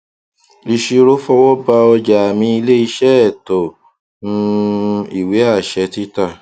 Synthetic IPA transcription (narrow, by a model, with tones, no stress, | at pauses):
li˧ʃi˧ɾo˦fɔ˦wɔ˦ba˧ɔ˧d͡ʒa˨a˨mĩ˧˦i˧le˦i˧ʃɛ˦ɛ˦˨tɔ˨ | nũ˧i˨we˨˦a˦˨ʃɛ˧˦ti˦ta˦˨